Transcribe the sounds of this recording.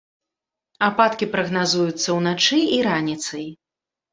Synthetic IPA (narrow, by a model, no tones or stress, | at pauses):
apat̪kʲipɾɐɣnazujut̪sːɐwnat͡ʂɨiɾanʲit̪sɐj